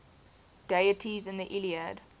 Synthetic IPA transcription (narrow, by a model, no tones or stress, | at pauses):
d̥eɪətʰizɪ̃nðiʔiliəd